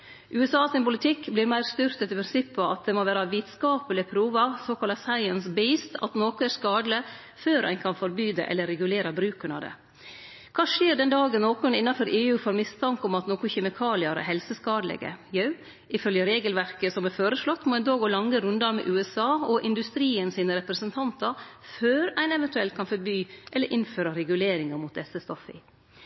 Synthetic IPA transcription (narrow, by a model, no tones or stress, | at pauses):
ʔʉːɛsɑːsɪnpʊlɪt̪ʰɪkːblɪːɾmæɪɾst̪ʏɾt̪ət̪ɪpʰɾɪnsɪpʰːɔɑt̪̚d̪ɛmoʋæːɾɑʋiːt̪skɑːpəlɪpʰɾuːʋɑsoːkʰɑlɑsæɪənsbɛɪst̪ʰɑ̰t̪noːkʊæɾskɑːd̪lə | føːɾʔæ̰ɪnkʰɑnfɔɾbyːd̪ə̰ʔɛ̰lːəɾɛɡʉleːɾɑbɾʉːkəɳɑ̰d̪ɛ̰ | kʰɑːʂeːɾɖ̪ɛnd̪ɑːɡənnoːkɔnɪnːɑfɔɾʔeːʉːfoːɾmɪst̪ʰɑŋkɔmɑt̪noːkʊçɛmɪkʰɑːlɪɑɾæ̰ɦɛlsəskɑːd̪lɛ̰ɡə̰jœʉ | ɪfœljəɾeːɡəlʋæɾkəsɔmæɾføːɾəʂlɔt̪ːmɔɛnd̪ɑːɡoːlɑŋːəɾʉnd̪ɑɾmɛ̰ʔʉːɛsɑːɔʔɪnd̪ʉst̪ɾiːənsiːnəɾɛpɾəsənt̪ʰɑnt̪ɑɾføːɾæɪnɛʋɛnt̪ʉɛlt̪kʰɑnfɔɾbyːʔɛlːəɾʔɪnføːɾɑɾɛɡʉleːɾɪŋɑɾmʊːt̪̚d̪ɛsːəst̪ɔfɪ̰